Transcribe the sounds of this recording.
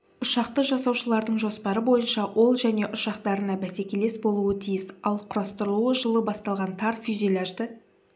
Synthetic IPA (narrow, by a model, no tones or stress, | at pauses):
ʊʃɑqt̪əʒɑsɑwʃəlˠɑɾd̪əɴʒo̞spɑɾəbo̞jənʃɑwʔo̞lˠʒæne̞ʔʊʃɑqt̪ɑɾənɑbæse̞kʲe̞le̞sbo̞lˠuət̪ʰijɪsɑlˠqʰʊɾɑst̪əɾəlˠuəʒəlˠəbɑst̪ɑlˠʁɑnt̪ʰɑɾfizʲilʲˠaʒd̪ə